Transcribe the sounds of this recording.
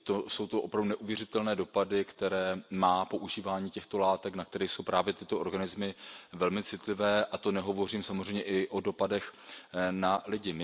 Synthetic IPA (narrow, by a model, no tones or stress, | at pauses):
t̪oso̞wt̪oʔopɾavdunɛʔuvjɛrɪt̪ɛlnɛːdo̞padɪkt̪ɛɾɛːmaːpo̞ʔuʒiːvaːɲiːcɛxt̪o̞laːt̪ɛknak̚t̪ɛɾɛːjso̞wpɾaːvjɛt̪ɪt̪o̞ʔoɾɡanɪzmɪvɛlmɪt͡sɪt̪lɪvɛːʔat̪o̞nɛɦo̞vo̞riːmsamozr̝ɛjɲɛʔɪʔo̞do̞padɛxnalɪɟɪmɪ